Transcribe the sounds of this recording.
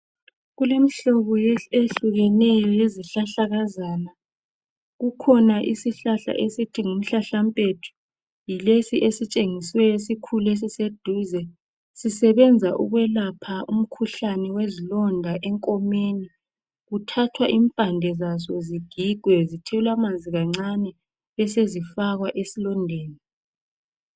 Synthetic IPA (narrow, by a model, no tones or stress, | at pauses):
ɣulem̩ɬoβɔjeeɬuɣɛnɛjɔjeziɬaɬaɣazaːna | ɣukʰɔnaʔisiɬaɬa̰ʔesitʰiŋum̩ɬaɬampʼetʰu̥ | jilesiʔesit͡ʃʼeŋiswɛesikʰules̬ised̥ʱuːzɛ | sisɛβɛnd͡zʱaʔṵɣwɛlapʰaʔum̩kʰuɬanɛwezilɔndʱaʔɛŋkʼɔmeni | ɣutʰatʰwaʔimpʼandʱɛzasɔziɡ̥ʱiɡ̥ʱwɛzitʰiulamanzʱiɣaŋ͡ǀanɛ | βɛsezifaɣwaʔesilɔndʱeːni